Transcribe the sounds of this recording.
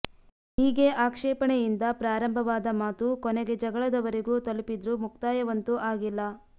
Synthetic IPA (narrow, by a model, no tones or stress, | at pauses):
ɦiːɡe̞ʔaːkʂɛːpɐɳɛjind̪ɐpɾaːɾɐmbʱɐʋaːd̪ɐmaːt̪ukɔneɡe̞d͡ʒɐɡɐɭɐd̪ɐʋɐɾeɡuːt̪ɐlupid̪ɾumukt̪aːjɐʋɐnt̪uʔaːɡilːɐ